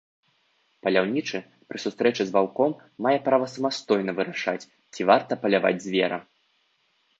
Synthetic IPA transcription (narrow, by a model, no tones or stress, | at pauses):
pɐlʲawnʲit͡ʂɨ | pɾɨsust̪ɾɛt͡ʂɨzvalˠkɔmː | ajɛpɾavɐsɐmast̪ɔjnɐvɨɾaʂa̰t͡sʲ | t͡sʲivart̪ɐpɐlʲava̰d͡zʲzʲvʲɛɾɐ̰